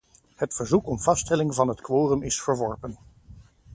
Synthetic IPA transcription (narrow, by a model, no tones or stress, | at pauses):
hətfəɹzukɔmv̥ɑstɛlɪŋvɑnɦətkʋoːrəmɪsfəɹʋɔɹpən